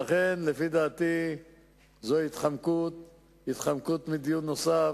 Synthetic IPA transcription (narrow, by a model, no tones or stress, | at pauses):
aχenlefid̪aːt̪i | zoit̪χamkut̪̚ | it̪χamkut̪mid̪ijut̪no̞sa